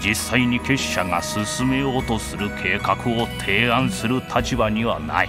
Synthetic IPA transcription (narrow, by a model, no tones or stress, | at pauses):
d͡ʑisːaiɲ̟ike̞ɕːaɡa̰sɨsɨme̞jo̞ːt̪o̞sɨɾɯ̟kʰe̞ːkakɯ̟o̞t̪ʰe̞ːãɰ̃sɨɾɯ̟t̪ʰat͡ɕibaɲ̟iβana̰i